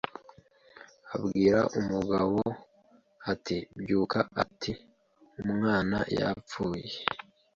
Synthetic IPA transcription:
abɡiːɾaʔumuɡaβo | atibjuːkaatʰi | umŋaːna̰ja̰p͡fuːje

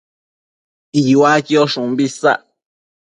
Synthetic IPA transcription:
iwakioʃũmbisa̰ʔ

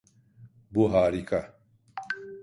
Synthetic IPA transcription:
buɦaːɾika

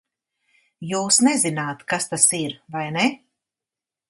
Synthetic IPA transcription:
juːsnɛzinaːt̪kast̪asiɾvajnɛ

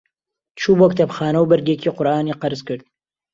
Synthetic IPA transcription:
t͡ʃʰuːbokt̪ʰɐbxɑːnɐwbɨɾɡekʰiːqʊɾʔɑːniːqɐɾzkɨɾd̪̚

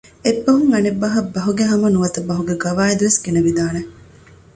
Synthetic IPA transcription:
ebːɐɦuŋɐnebːɐɦɐbːɐɦuɡeɦɐmɐnuʋɐt̪ɐbːɐɦuɡeɡɐʋaːid̪uʋesɡenɐʋid̪aːne

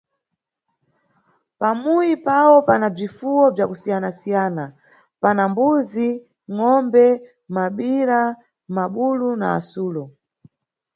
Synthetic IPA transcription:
pamujipawɔpanab͡ʐifuwɔb͡ʐjakusijanasijaːna | panambuzi | ŋɔmbɛ | maɓiɾa | maɓuluna̰ːsuːlɔ

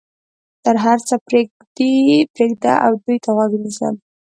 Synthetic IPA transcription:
t̪əɾɦaɾt͡səpɾeɡ̪ipɾeɡd̪a̰ʔa̰wd̪ujt̪ʰaɣwaɡnisə̰m

